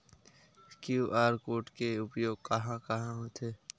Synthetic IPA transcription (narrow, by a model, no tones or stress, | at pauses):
kjuːʔaːɾkoːʈkeʊpjoːɡ̚kɐɦãkɐɦãɦot̪ʰeː